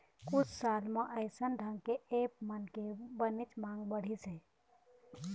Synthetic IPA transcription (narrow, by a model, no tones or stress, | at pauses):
kʊt͡ʃʰsaːlmẽʔəɪsənɖʱə̃ŋkeeːp̚mənkebənit͡ʃmãːŋɡbəɽ̤ise